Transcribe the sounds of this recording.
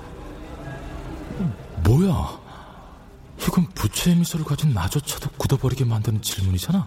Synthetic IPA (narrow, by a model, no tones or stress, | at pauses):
mwoja | çiɡɯnput͡ɕʰemisʰoɾɯɭkad͡ʑunːad͡ʑot͡ɕʰad̥okudʌbʌɾiɡe̞mandɯnɯnt͡ɕiɭmuɲid͡ʑana